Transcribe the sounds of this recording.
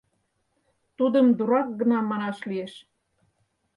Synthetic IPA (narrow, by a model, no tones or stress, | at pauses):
t̪ud̪əmd̪uɾɑk̚ɡə̆nɑmɑnɑʃlieʃ